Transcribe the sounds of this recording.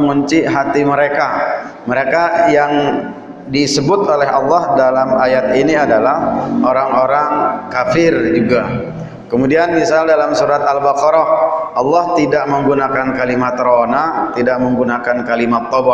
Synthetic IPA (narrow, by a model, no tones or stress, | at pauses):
ŋuɲt͡ʃiʔɦat̪iməɾekaməɾekajaŋ | disəbʊt̪olɛɦɑlːɑhdalamajat̪iniadalahoɾaŋoɾaŋkafɪrd͡ʒuɡa | kəmudianmisaldalamsuɾat̪albakɔɾɔʔɑlːɑht̪idaʔməŋɡunakankalimat̪ɾonat̪idaʔməŋɡunakankalimat̪ːɔba